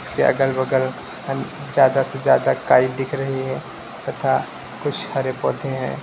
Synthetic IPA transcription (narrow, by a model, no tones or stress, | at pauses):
skeʔɐ̰ɡəlbɐɡəl | d͡ʒjaːd̪ased͡ʒjaːd̪akaːid̪ɪkʰɾɐɦiɦɛ̃ː | t̪ɐt̪ʰa | kʊt͡ʃʰhɐɾepɔːd̪ʱẽɦɛ̰̃ː